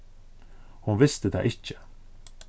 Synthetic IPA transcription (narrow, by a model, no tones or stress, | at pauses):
hʊnvɪst̪əd̪ɛ̰ːʔɪçə̥